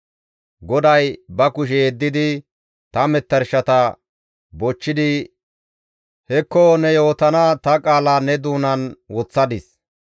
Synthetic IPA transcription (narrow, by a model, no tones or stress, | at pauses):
ɡɔd̪ɐjbɐkʊʃ̬ɛɛd̪ːɪd̪ɪ | t̪ɐmɛt̪ːɐɾʃɐt̪ɐ | bɔt͡ʃːɪd̪ɪ | hɛkːɔnɛjo̞ːt̪ɐnat̪ɐkʼaːlɐnɛd̪uːnɐnwɔt͡sːɐd̪ɪs